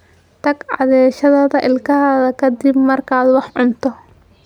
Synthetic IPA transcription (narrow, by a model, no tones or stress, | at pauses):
t̪ʰɐɡʕɑ̰ðɛːʃɐðɐðɐʔɪlkʰɐɦɐðɐkʰɐd̪ɪbmɐrkʰaːd̪wɑħʕʊnt̪ʰɔ